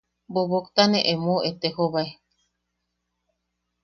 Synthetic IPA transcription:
boβokt̪aneʔemoet̪ehoβae

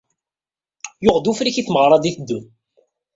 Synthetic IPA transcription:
jʊʁd̪ufɾiçiθməʁɾˤɑd̪iθd̪ːun

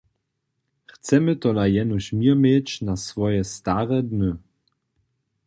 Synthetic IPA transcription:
xt͡sɛmət̪ɔlajɛnuɕmiɐmet͡ɕnasvɔjɛst̪aʁɛd̪nə

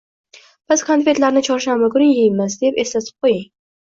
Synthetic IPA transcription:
b̥ɪz̥kʰanfe̞t̪laɾnɪt͡ʃʰɒɾʃamɪɡʊɾɪjijmɪzd̪epe̞slat̪ʰɪ̥p̚qʰojaŋ

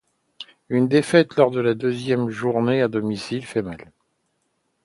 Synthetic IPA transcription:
ynd̪efɛt̪lɔʁd̪əlad̪øzjɛmʒuʁnead̪ɔmisilfɛmal

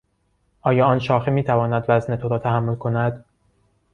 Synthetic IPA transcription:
ʔɒːjɒːɒːnʃɒːxemiːt̪ʰævɒːnæd̪væznet̪ʰoɾɒːt̪ʰæɦæmːo̞lkʰo̞næd̪̥

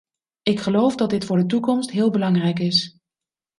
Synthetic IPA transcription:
ɪkχəlowfdɑt̚dɪtfʊːɹdətukɔmstɦɪːlˠbəlɑŋrɛjkɪs

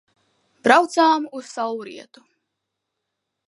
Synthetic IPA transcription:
b̥ɾawt̪saːmuz̥sawuɾḭɛt̪u̥

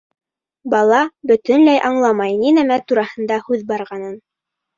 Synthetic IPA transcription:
bɑlˠɑbɵ̆t̪ɵ̆nlæjʔɑɴlˠɑmɑjninæmæt̪uɾɑhɤ̆nd̪ɑhʉðbɑɾʁɑnɤn

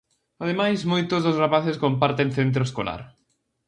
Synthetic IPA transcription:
að̞emajzmojt̪ozðozrapaθeskompaɾt̪ẽnθent̪̬ɾoeskola̰ɾ

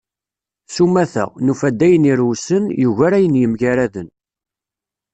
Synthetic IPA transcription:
sumːæθə̰ʁnufæd̪ːæjəniɾusənjuʝæɾæjənjəmʝæɾæðən

